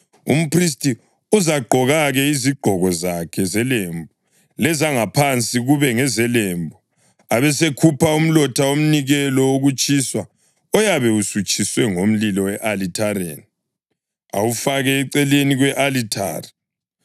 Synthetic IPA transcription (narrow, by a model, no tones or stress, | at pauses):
ṵm̩pʰris̬tʰʼi | uzaɡ͡ǃʱɔɣaɣɛiziɡ͡ǃʱɔɣɔzakʰɛzɛlembʱu | lɛzaŋapʰant͡sʼiɣuβɛŋɛzɛlembʱu | aβɛsekʰupʰaum̩lɔtʰaom̩niɣɛlɔoɣut͡ʃʼiswa | ɔjaβɛusut͡ʃʰʼiswɛŋom̩lilɔwɛʔalitʰaɾḛni | a̰wufaɣɛːǀɛleniɣwɛʔalitʰa̰ːri